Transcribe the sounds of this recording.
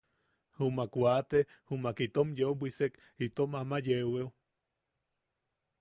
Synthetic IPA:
humakʷat̪e | humakit̪omjeubʷisek | it̪omamajewew

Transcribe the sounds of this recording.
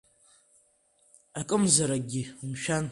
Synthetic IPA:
akʼɨmzaɾaɡʲimʃᶣan

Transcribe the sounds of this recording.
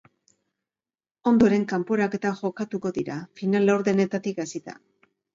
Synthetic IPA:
o̞nd̪o̞ɾe̞ŋkampo̞ɾake̞t̪aʝo̞kat̪uko̞ðiɾafinalawɾðene̞t̪at̪ikasit̪a̰

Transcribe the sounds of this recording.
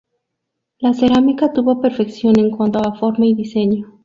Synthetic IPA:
lase̞ɾamikat̪uβo̞pe̞ɾfe̞ksjo̞ne̞ŋkwant̪oafo̞ɾmaiðise̞ɲo

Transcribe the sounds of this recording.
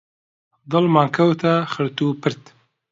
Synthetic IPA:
d̪ɔlmaːŋkʰɐwt̪ʰaxɨɾt̪upʰɨɾt̪

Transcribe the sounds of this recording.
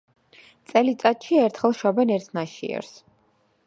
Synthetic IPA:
t̪sʼɛlit̪sʼat̪ʃiɛɾt̪ʰχɛlˠʃɔbɛnɛɾt̪ʰnaʃḭɛ̰ɾs

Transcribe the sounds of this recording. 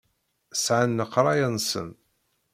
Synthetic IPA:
sʕanːəqːɾˤɑjənsə̰n

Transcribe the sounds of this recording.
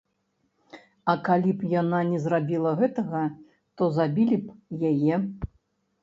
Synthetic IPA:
ɐkalʲipjananʲɛzrabʲilˠɐɣɛt̪ɐɣɐ | t̪ɔzabʲilʲipjajɛ

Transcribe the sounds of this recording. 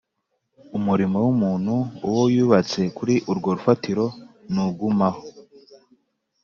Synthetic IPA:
umuɾimo̞wumuːnhuːwojuːβat͡se̞kuɾiʔuɾɡo̞ɾufatiɾo̞nuɡumaho

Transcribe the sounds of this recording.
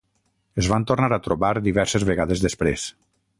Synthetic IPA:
ezβant̪ornaɾat̪ɾoβaɾd̪iβɛɾsezβeɣaðezðespɾes

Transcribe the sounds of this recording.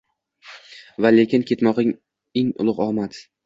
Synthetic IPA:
vale̞kʲɪnkʲʰe̞t̪mɒqɪŋ | eŋʊ̰lˠʊqɒmat̪

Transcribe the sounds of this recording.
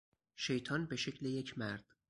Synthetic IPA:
ʃe̞jt̪ʰɒːnbe̞ʃecʰleje̞cʰmæɾd̪̥

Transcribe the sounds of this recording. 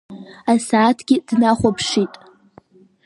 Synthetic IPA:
asaːtʰɡ̥ʲid̥naχʷapʰʂitʼ

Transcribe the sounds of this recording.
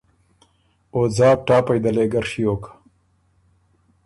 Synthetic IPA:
oːd͡zɑːp̚ʈaːpɐjd̪ɐleːɡɐɾʂijoːkḁ

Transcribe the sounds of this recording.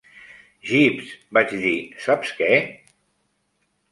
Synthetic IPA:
ʒipsbat͡ʃðisapskɛ

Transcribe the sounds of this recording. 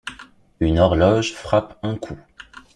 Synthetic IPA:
ynɔʁlɔʒfχapɛ̃kʰu

